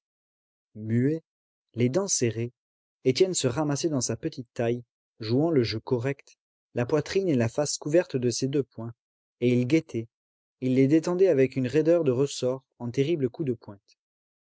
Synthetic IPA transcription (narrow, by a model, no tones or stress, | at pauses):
mye | led̪ɑ̃seʁe | et̪jɛnsəʁamasɛd̪ɑ̃sapət̪it̪ːaj | ʒuɑ̃ləʒøkɔʁɛkt̪ | lapwat̪χinelafaskuvɛʁt̪d̪əsed̪øpwɛ̃ | eilɡet̪ʰɛ | ilːed̪et̪ɑ̃d̪ɛavɛkynʁed̪œʁd̪əʁəsɔʁɑ̃t̪eʁibləkud̪əpwɛ̃t̪